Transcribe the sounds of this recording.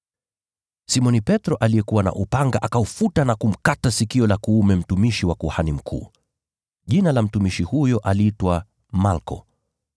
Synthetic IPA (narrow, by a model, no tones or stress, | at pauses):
simɔnipɛtɾɔʔalijɛkuwana̰ʔupaŋɡaʔakaufutanakum̩katasikiɔlakuumɛm̩tumiʃiwakuhanim̩kʰṵː | ʄinalam̩tumiʃihujɔʔaliitwa | malkɔ̰